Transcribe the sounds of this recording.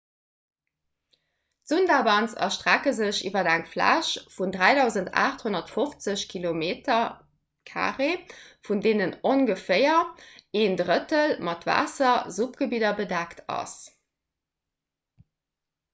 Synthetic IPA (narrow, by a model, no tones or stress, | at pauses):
z̥undabɑnsɐ̰ʃtʁækəzəɕḭːvɐdæŋflæ̰ːʃfundʁæɪdɑʊzənta̰ːχthonɐtfoft͡səɕkʰilomeːtʰɐ | kʰa̰ːʁefundeːnənonɡəfeɪɐeːndʁətəlmɑtva̰ːsɐzupɡ̥əbidɐbədæktʰɑ̰s